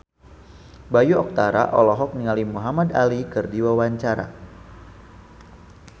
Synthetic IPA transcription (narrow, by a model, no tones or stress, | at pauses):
bajuɔk̚t̪aɾa̰ʔɔlɔɦɔk̚niŋalimuɦamad̪alikərdiwawaɲt͡ʃaɾa̰